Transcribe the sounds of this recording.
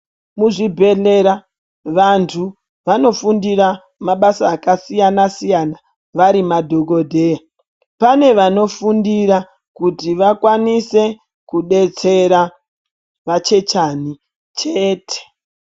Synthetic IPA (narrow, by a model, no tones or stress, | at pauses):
muʐibʱe̞ɮe̞ɾa | ʋantʰu | ʋano̞fundira | maɓasaːkasijanasijana | ʋaɾimadʱo̞ɡo̞dʱe̞ːja | pane̞ʋano̞fundiɾa | kutiʋakwanise̞ | kuɗe̞t͡se̞ɾa | ʋat͡ʃe̞t͡ʃani | t͡ʃeːte̥